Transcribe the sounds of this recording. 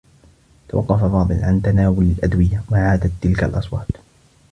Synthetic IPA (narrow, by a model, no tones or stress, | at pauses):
t̪awɑ̰qːɑfafɑːd̪ˤɨlʕant̪anaːwʊlalʔad̪wɪjawaʕaːd̪at̪ːɪlkalʔɑsˤwɑːt̪